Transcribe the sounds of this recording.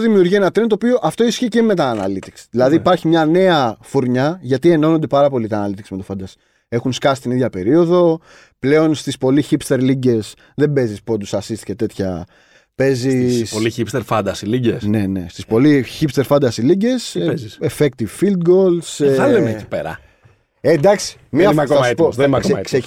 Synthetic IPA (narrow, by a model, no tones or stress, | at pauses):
ðimiuɾʝie̞nɐt̪ɾent̪opio̞ʔɐft̪o̞isçece̞me̞t̪ɐːnɐ̰lit̪iksi̥ðilɐðiːpɐɾçimɲɐne̞ɐfuɾɲɐʝɐt̪ie̞no̞nond̪e̞pɐɾɐpo̞lit̪ɐɐnɐlit̪iksime̞t̪ofɐnd̪ɐsi̥ | e̞xunskɐsi̥st̪iniðʝɐpe̞ɾio̞ðo̞ | ple̞o̞nst̪ispo̞liçipst̪e̞ɾliɟe̞s | ðe̞mbe̞zispod̪usɐsist̪icet̪e̞t̪çɐ̰ | pe̞zisoliçipst̪eɾfɐnd̪ɐsiliɟesne̞ne̞st̪ispo̞liçipst̪eɾfɐnd̪ɐsiliɟe̞siefek̚t̪ivfild̪ɡo̞lsɐlemcipeɾɐ̰ | ed̪ɐksi̥miɐfɐk̪oðenimɐkɐse